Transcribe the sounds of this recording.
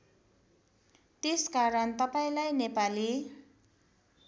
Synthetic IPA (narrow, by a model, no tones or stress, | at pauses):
t̪eskaɾʌnt̪ʌpaĩlajnepali